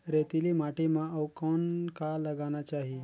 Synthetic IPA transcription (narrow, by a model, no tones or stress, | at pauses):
ɾet̪ilimaʈimãəwkɔnkaləɡanat͡ʃaɦi